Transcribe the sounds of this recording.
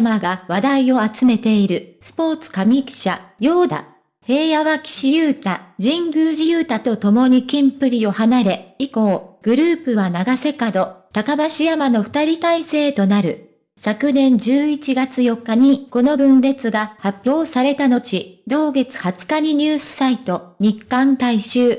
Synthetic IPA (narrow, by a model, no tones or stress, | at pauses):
maɡaβad̪aio̞at͡sɨme̞t̪e̞iɾɯ̟sɨ̥po̞ːt͡sɨ̥kamʲikɕajo̞ːd̪a̰ | he̞ːjaβakʲi̥ɕijɯːt̪ad͡ʑĩŋɡɯ̟ːʑijɯːt̪at̪o̞t̪o̞mo̞ɲ̟ikʲĩmpɯ̟ɾʲio̞hanaɾe̞iko̞ːɡ̥ɯ̟ɾɯ̟ːpɯ̟βanaɡase̞kad̪o̞t̪akabaɕijamano̞ɸɯ̥t̪aɾʲit̪aise̞ːt̪o̞naɾɯ̟̰ | sakɯ̟nẽ̞ɲd͡ʑɨːit͡ɕiɡat͡sɨjo̞kːaɲ̟iko̞no̞bɯ̟̃nɾe̞t͡sɨɡahapʲjo̞ːsaɾe̞t̪ano̞t͡ɕid̪o̞ːɡe̞t͡sɨ̥hat͡sɨ̥kaɲ̟iɲ̟ɨːsɨ̥sait̪o̞ɲ̟ikːãnt̪aiɕɨː